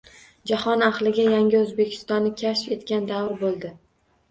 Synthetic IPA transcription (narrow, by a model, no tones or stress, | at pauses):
d͡ʒahɒnaχlˠɪɡʲajaŋʲɪɵzbe̞kʲʰɪ̥st̪ɒnːɪkʲʰaʃfe̞t̪kʲand̪awɾbolˠd̪ɪ